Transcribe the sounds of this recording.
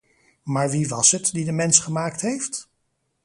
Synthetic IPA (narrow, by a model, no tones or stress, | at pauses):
maːɹʋiʋɑsɦətdidəmɛnsχəmaːktɦejft